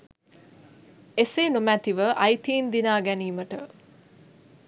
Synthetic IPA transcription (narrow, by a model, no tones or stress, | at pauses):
esenumæt̪iʋəʔɐjt̪iːnd̪inaːɡæniːməʈə